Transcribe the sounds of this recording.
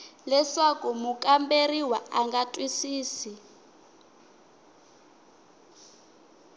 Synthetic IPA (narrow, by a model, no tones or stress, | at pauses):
lɛsakumukʼamberiwaaŋɡatʼwisiːsi